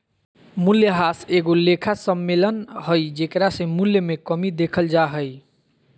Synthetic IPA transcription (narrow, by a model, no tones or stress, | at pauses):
muljəɦaseɡolekʰasəmːelənhəjd͡ʒekɾasẽmuljəmekəmid̪ekʰəld͡ʒaɦəj